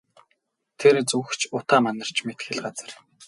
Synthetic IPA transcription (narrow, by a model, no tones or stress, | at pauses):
t̪ʰert͡suxt͡ɕʰʊt̪aːmanə̆r̥t͡ɕʰmet̪xɘ̆ɮɢat͡sə̆r